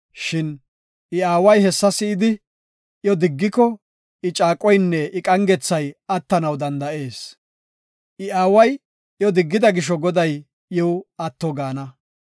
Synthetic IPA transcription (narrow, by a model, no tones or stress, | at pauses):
ʃɪn | ʔɪaːwɐjhɛsːɐsɪɪd̪ɪ | jɔd̪ɪɡːɪkːɔ | ʔɪt͡ʃʼaːkʼɔjnːɛʔɪkʼɐŋɡɛt͡sːɐjɐt̪ːɐnɐwd̪ɐnd̪ɐʔe̞ːs | ʔɪaːwɐj | jɔd̪ɪɡːɪd̪ɐɡɪʃ̬ɔɡɔd̪ɐj | jɛwɐt̪ːɔɡaːnɐ